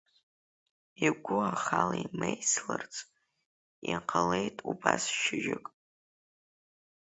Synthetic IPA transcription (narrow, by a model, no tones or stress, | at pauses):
iɡʷʊaχalaimejslɨrt͡sʼ | iqʰalejtʼubasʃɪʒᶣɪkʼ